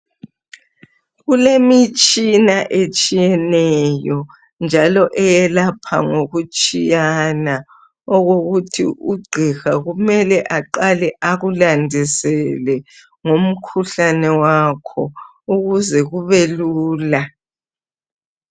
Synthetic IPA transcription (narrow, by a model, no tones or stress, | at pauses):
ɣulemit͡ʃʼinaʔet͡ʃʼijɛnɛjɔ | nd͡ʒʱalɔʔɛjɛlapʰa̰ŋoɣut͡ʃʼijana | ɔɣoɣutʰḭʔuɡ͡ǀʱixaɣumɛlɛʔaǃalɛʔaɣulandʱisɛlɛ | ŋom̩kʰuɬanɛwakʰɔ | uɣuzɛɣuβɛluːla